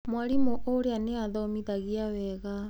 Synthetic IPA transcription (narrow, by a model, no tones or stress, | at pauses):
mwaɾimoʔoɾeaneaðɔmiðaɣiawɛɣa